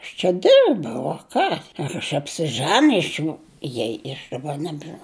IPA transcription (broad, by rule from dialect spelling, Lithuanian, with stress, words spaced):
ɐʃ t͡ʃʲɛ ˈdʲɪrbɐʊ oː ˈkɑː ɪr ɐʃ ɐpʲsʲɪˈʒʲænʲɪjs nʊ ˈjɛɪ ɪ ɐʃ dɐˈbɐ ˈnʲæːbʲʒʲɪnɐʊ